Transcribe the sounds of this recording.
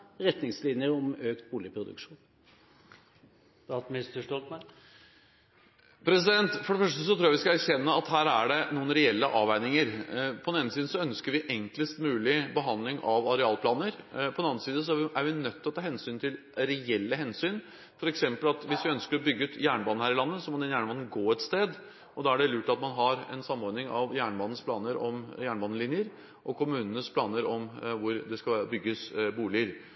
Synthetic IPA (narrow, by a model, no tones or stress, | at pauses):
ɾɛt̪nɪŋslɪnjəɾɔmøːkt̪̚buːlɪpʰɾʊd̪ʉ̰kʂuːn | ɑt̪mɪst̪əʂʈɔlt̪mæ | pʰɾɛsɪd̪ɛnt̪fɔɖɛfœʂʈəsɔt̪ʰɾuːɑʋɪskɑæɾçɛnːəɑt̪hæːɾæɖɛnuːənɾɛɛlːəʔɑːʋæɪnɪŋəɾpʰɔd̪ɛneːnsiːd̪əsɔœnskəɾʋɪʔɛŋkləst̪mʉːlɪbəɦɑnd̪lɪŋʔɑʋɑɾɛɑːlpʰlɑːnəɾpʰɔd̪ɛnɑnsiːd̪əs̬ɔæɾʔæɾʋɪnœt̪ʰːɪlɔt̪ʰɑːhɛnsyːnt̪ʰɪl | ɾɛɛlːəɦɛnsyːn | fɔɾɛksɛmpəlɑt̪ʋɪsʋɪœnskəɾɔbʏɡːʉːt̪jæːɳəbɑːnəhæɾɪlɑnːəsɔmɔd̪ɛnjæːɳəbɑnːn̩ɡoːɛt̪st̪eːd̪ | ʔɔd̪ɑːæɖɛljʉːʈɑt̪mɑnɦɑɾɛ̰nsɑmːɔɾnɪŋɑʋjæːɳəbɑnːn̩spʰlɑːnəɾɔmjæːɳəbɑːnəlɪnjəɾ | ʔɔkʰʊmʉːnənəspʰlɑːnəɾɔmʋʊɾd̪ɛskɑlʋæːɾəbʏɡːəsbuːlɪəɾ